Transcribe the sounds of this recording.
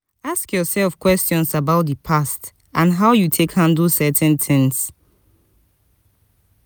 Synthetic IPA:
askjɔsɛlfkwɛstɔ̃nsabaʊt̚dəpʰast | ʔãnɦaʊjutʰekhãndl̩sɛtɛ̃nθʰɪ̃ŋs

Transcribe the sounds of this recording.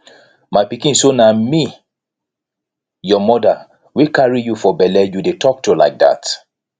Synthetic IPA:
maɪpikĩnsonami | jɔmɔda | wikaɹijufɔbɛlɛjudetʰɔk̚tola̰ɪk̚da̰t

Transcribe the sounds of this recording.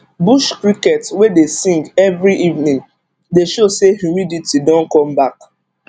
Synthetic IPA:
buʃkɹikɛtwedesĩŋɡɛvɹiʔivnĩŋ | deʃosehuɹiditidɔ̃nkɔ̃mbak

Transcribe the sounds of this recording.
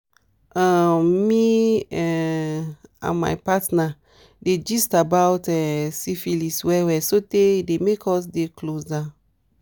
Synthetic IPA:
ãmiɛ | ã̰nma̰jpatna | ded͡ʒistabawtɛsifiliswɛwɛsoteidemekʰɔs̬deklosa

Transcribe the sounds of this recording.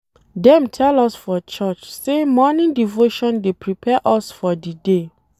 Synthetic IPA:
dɛ̃mtʰɛlɔsfɔt͡ʃɔt͡ʃsemɔnĩndivoʃɔ̃ndepɹipʰɛʔɔsfɔdide

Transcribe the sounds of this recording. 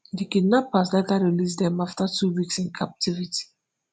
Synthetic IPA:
dikidnapas̬letaɹilis̬dɛ̃maftatʰuwiksĩnkʰap̚tʰiviti̥

